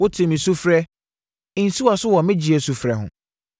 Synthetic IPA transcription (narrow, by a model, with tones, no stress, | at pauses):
wʊ˦tʰɪ˨mɪ̃˨su˦fɾɛ˦˨ | n̩˨su˦wa˨sʊ˦wɔ˨mɪ̃˦d͡ʑi˨ɛ˨su˨fɾɛ˨ɦʊ̰̃˨